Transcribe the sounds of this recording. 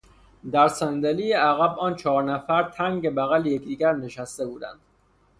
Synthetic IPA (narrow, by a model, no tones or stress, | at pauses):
d̪æɾsænd̪elijeæɣæbɒːnt͡ʃʰɒːɾnæfæɾt̪ʰæŋɟebæɣælejekd̪iːɡæɾne̞ʃæst̪e̞buːd̪æ̰nd̪̥